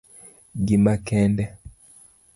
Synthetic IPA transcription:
ɡimakɛndɛ

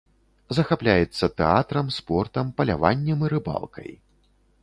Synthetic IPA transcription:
zɐxaplʲajɛt̪sːɐt̪ɛat̪ɾɐmspɔrt̪ɐmpɐlʲa̰va̰nʲːɛmiɾɨba̰lˠkʰɐ̰j

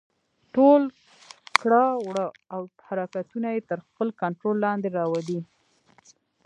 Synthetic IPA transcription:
ʈol | kɽɑwɽə | awhaɾɑkat̪unajet̪əɾxpəlkaɳʈɾolːɑnd̪eɾɑwali

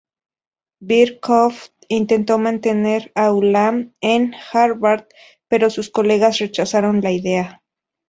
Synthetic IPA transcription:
biɾkʰoft̪int̪ent̪omant̪eneɾaulamenxaɾβaɾd̪ | peɾosuskoleɣasret͡ʃasaɾonlaiðea

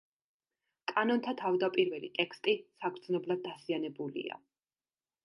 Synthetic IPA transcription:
kʼanɔnt̪ʰat̪ʰavd̪apʼiɾvɛlḭt̪ʼɛkʰst̪ʼisakʰɾd̪znɔblˠad̪̚ːazianɛbulḭa̰

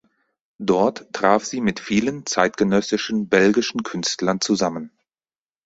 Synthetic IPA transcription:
d̥ɔɐttʁ̥aːfz̥iːmɪtfiːlənt͡saɪtɡ̥ənœsɪʃn̩bɛlɡɪʃn̩kʰʏnstlɐnt͡suzamən

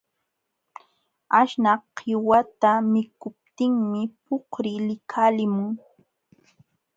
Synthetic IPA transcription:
aʃnaqʰːɪwat̪amɪkʊp̚t̪ɪŋmɪpohɾɪlɪkʰaːlɪmʊŋ

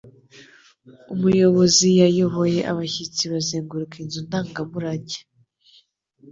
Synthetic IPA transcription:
umujo̞βo̞zijajoβo̞je̞ʔa̰βaçit͡siβazeːŋɡuɾukinzundaːŋɡamuɾaɟe̥

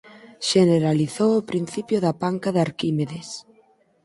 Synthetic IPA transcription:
ʃeneɾaliθowʊpɾin̟θipjoðapaŋkaðaɾkimeðes

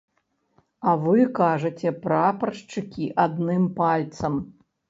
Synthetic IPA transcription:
ɐvɨkaʐɐt͡sʲɛpɾapɐrʂt͡ʂɨkʲiʔad̪nɨmpalʲt̪sɐm

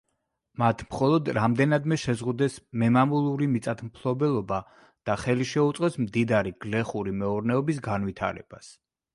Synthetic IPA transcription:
mat̪ʰmχɔlˠɔd̪ɾamd̪ɛnad̪mɛʃɛzʁud̪ɛsmɛmamulˠuɾimit̪sʼat̪ʰmpʰlˠɔbɛlˠɔba | d̪̥aχɛliʃɛut̪sʼqʼɛsmd̪id̪aɾiɡ̥lɛχuɾimɛɔɾnɛɔbisɡanwit̪ʰa̰ɾɛ̰b̥as

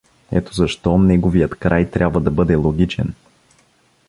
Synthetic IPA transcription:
ɛ̰t̪o̥zɐʃt̪ɔnɛɡovijət̪kɾajt̪ɾʲʔabvɐd̪ɐbɤd̪ɛlˠoɡʲit͡ʃɛ̰n

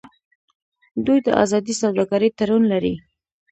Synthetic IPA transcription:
d̪ujd̪əʔa̰zɑd̪isawd̪ɑɡɑɾəjt̪aɾunlaɾi

